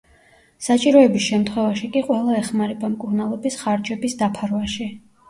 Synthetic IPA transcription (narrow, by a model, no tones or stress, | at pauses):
sat͡ʃʼiɾɔɛbisʃɛmt̪ʰχwɛvaʃikʼiqʼwɛlˠaɛχmaɾɛbamkʼuɾnalˠɔbisχaɾd͡ʒɛbisd̪apʰaɾwaʃi